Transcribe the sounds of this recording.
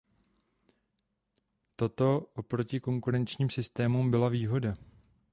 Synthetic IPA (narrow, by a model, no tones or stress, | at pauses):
t̪o̞t̪o̞ʔopɾo̞cɪko̞ŋkuɾɛnt͡ʃɲiːmsɪst̪ɛːmumbɪlaviːɦo̞da